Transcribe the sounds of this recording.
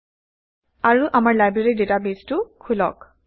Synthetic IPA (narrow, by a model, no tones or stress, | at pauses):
aɹuʔamaɹlajbɹeɹidetabeztʊkʰulɔ̰k